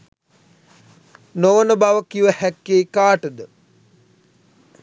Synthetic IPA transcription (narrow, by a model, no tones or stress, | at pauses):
noʋənəbaʋəkiʋəhækːeːkaːʈəd̪ə